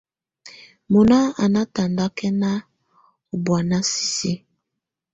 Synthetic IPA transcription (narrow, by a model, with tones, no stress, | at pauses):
mo˨na˦a˨na˦ta˨nda˦kɛ˦na˦ | o˨bwa˨na˦si̥˨si˦